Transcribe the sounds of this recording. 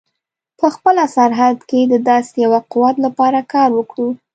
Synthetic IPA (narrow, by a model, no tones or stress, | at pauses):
pəxpəlasaɾɦad̪ked̪əd̪ɑsjawaqʊwat̪lapɑɾakɑɾwəkɽu